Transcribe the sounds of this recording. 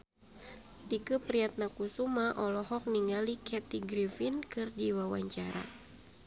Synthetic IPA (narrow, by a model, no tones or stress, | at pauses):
t̪ikupɾiat̪̚nakusumaʔɔlɔɦɔk̚niŋalikʰɛt̪iɡɾifinkɨrdiwawa̰ɲt͡ʃaɾa̰